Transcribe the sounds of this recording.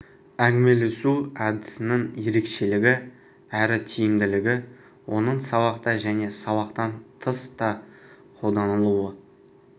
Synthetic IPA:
æŋʲme̞lesuɑd̪ɪsɪnɪŋje̞ɾe̞kʃe̞lɪɡʲɪ | æɾɪt̪ʲʰijɪmd̪ɪlɪɡʲɪ | wʔo̞nəɴsɑβɑqt̪ɑʒæne̞sɑβɑqt̪ɑnt̪ʰəst̪ɑ | qʰo̞lˠd̪ɑnəlˠuwə

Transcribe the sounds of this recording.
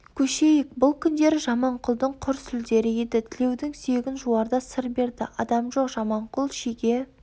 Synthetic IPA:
kʲʰɵʃe̞jɪk̚bʊlˠkʲʰʏnd̪e̞ɾɪʒɑmɑɴqʰʊlˠd̪əɴqʰʊɾst̪ʰʏld̪e̞ɾɪed̪ɪt̪ʰɪle̞wd̪ɪŋseɡʲɪnʒuɑɾd̪ɑsəɾbe̞ɾd̪ɪ̰ɑd̪ɑmʒo̞qʒ̥ɑmɑɴqʰʊlˠʃeɡʲe̞

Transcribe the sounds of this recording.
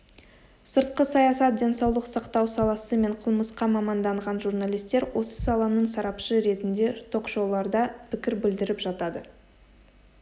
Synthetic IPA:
səɾt̪̚qəsɑjɑsɑt̪̚d̪ʲe̞nsɑwlˠəqsɑqt̪ɑwsɑlˠɑsəme̞ɴqʰəlˠməsqɑmɑmɑnd̪ɑɴʁɑnʒurnalʲˠijst̪e̞ɾwo̞sə̥sɑlˠɑnəɴsɑɾɑpʃəɾe̞t̪ɪnd̪e̞t̪ʰo̞kʃo̞wlˠɑɾd̪ɑpʰɪkʲɪɾbɪld̪ɪɾɪpʒɑt̪ɑd̪ə

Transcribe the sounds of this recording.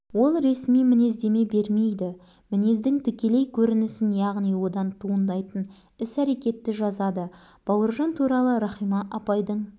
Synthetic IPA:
wo̞lˠɾe̞smijmɪne̞zd̪e̞me̞be̞ɾme̞jd̪ɪ | mɪne̞zd̪ɪŋt̪ʰɪkʲe̞le̞jkʲʰɵɾɪnɪsɪnjɑʁnijwo̞d̪ɑnt̪ʰuənd̪ɑjt̪ən | ɪsæɾe̞kʲe̞t̪ːɪʒɑzɑd̪əb̥ɑwəɾʒɑnt̪ʰuɾɑlˠəɾɑχijmɑʔɑpɑjd̪əɴ

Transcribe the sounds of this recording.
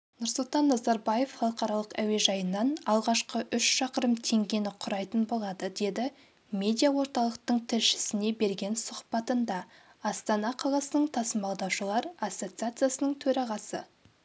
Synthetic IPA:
nʊɾsʊlˠt̪ɑnːɑzɑɾbaje̞fχɑlˠəqɑɾɑlˠəqæwe̞ʒɑjənːɑnɑlˠʁɑʃqəʔʏʃʃɑqəɾəmt̪ʰe̞ŋɡʲe̞nɪqʰʊɾɑjt̪ənbo̞lˠɑd̪əd̪e̞d̪ɪ | mʲe̞d̪ʲijawo̞ɾt̪ɑlˠəq̚t̪əɴt̪ʰɪɾʃɪ̥sɪne̞be̞ɾɡʲe̞nsʊχpɑt̪ənd̪ɑː | st̪ɑnɑqʰɑlˠɑsənəɴt̪ʰɑsəmbɑlˠd̪ɑwʃəlˠɑɾɑsːo̞t̪sɨat̪sɨjasənəɴt̪ʰɵɾɑʁɑsə̰

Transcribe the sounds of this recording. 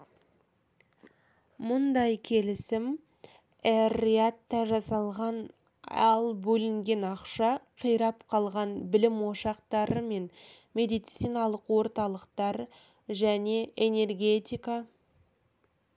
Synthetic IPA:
mʊnd̪ɑjkʲʰe̞lɪsɪm | eɾiat̪ːɑʒɑsɑlˠʁɑn | ɑ̰lˠbɵlɪŋɡʲe̞nɑqʃɑqʰijɾɑpqʰɑlˠʁɑnbɪlɪmwo̞ʃɑqt̪ɑɾəme̞n | mʲe̞d̪ijt̪sijnɑlˠəqwo̞ɾt̪ɑlˠəqt̪ɑɾ | ʒæne̞ʔene̞rɡʲe̞t̪ʲijkɑ

